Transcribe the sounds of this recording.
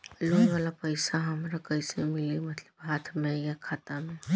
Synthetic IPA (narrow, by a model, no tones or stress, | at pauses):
loːnʋaːlapəɪsaɦɐmɾakəɪsemɪlemɐt̪ləbɦaːt̪ʰmẽjakʰaːt̪amẽ